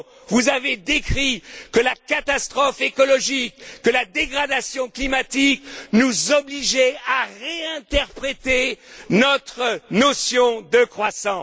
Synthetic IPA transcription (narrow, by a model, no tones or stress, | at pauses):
vuzaved̪ekχikəlakat̪ast̪χɔfekɔlɔʒikːəlad̪eɡʁad̪asjɔ̃klimat̪iknuzɔbliʒɛaʁeɛ̃t̪ɛʁpχet̪enɔt̪χənɔsjɔ̃d̪əkχwasɑ̃